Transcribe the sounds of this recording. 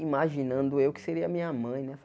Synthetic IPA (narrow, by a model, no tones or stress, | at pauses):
imaʒinɐ̃nd̪ʊewkɪ̥seɾiɐmĩɲɐmɐ̃j̃nɛf